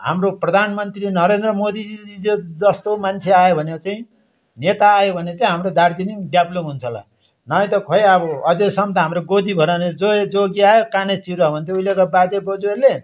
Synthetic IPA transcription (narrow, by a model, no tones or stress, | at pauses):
ɦa̰mroprʌd̪ʱanmʌnt̪rinʌɾend̪rʌmod̪id͡zid͡zod͡zʌst̪omant͡sʰeajobʱʌnet͡saĩ | net̪aːjobʱʌnet͡saĩɦamrod̪aɾd͡zinimɖjablomɦunt͡sʰʌla̰ | nʌj̃t̪ʌkʰoeʌbʌʌd͡zesʌmt̪ʌɦamɾoɡod͡zibʱʌɾaned͡zoed͡zoɡiajokanet͡siɾʌbʱʌnt̪ʰeuilekabad͡zebʌd͡zueɾle